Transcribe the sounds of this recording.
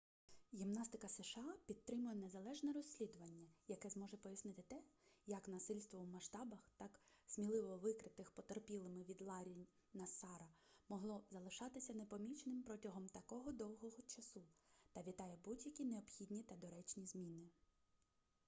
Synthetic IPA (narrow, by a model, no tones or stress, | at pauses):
ɣʲimnɑst̪ɪkɐsɛʃɑpʲid̪̚t̪ːɾɪmʊjɛne̞zɐlˠɛʒnɛɾɔsʲlʲid̪ʊʋɐnʲːɐjɐkɛzmɔʒɛpɔjɐsnɪt̪ɪt̪ɛjɐknɐsɪlʲst̪ʋɔwmɐʃt̪ɑbɐxt̪ɑksʲmʲilˠɪʋɔʋɪkɾɪt̪ɪxpɔt̪erpʲilˠɪmɪʋʲid̪lˠɑɾʲinʲ | nɐsɑɾɐmɔɦlˠɔzɐlˠɪʃɑt̪ɪsʲɐnepɔmʲit͡ʃnɪmpɾɔtʲɐɦɔmt̪ɐkɔɦɔd̪ɔwɦɔɦɔt͡ʃɐsut̪ɐʋʲit̪ɑjɛbudʲjɐkʲineɔbxʲidʲnʲit̪ɐd̪ɔɾɛt͡ʃnʲizmʲinɪ